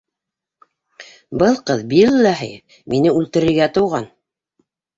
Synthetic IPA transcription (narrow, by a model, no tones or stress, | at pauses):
bɤlˠqɤðbilːæɦɘ̰ | minɘʉlt̪ɘ̆ɾɘ̆ɾɡæt̪ɤ̆wʁɑn